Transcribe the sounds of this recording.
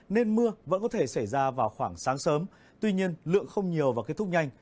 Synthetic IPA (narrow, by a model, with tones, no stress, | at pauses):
ne˧nmɨ˧əvə̰˧˥nkɔ˨˦t̪ʰe˧˩sa˧˩jzaː˧vaː˨˩wxwaː˧˩ŋsaː˨˦ŋsəː˨˦m | t̪wi˧ɲi˧ənlɨ̰˧˨əŋxə˧wŋ͡mɲi˨˩əwvaː˨˩ke˦˥t̪ʰʊ˦˥ɲa˧jŋ̟